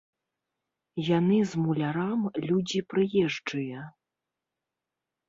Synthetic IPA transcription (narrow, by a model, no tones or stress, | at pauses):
janɨzmulʲaɾamlʲud͡zʲipɾɨjɛʐd͡ʐɨjɐ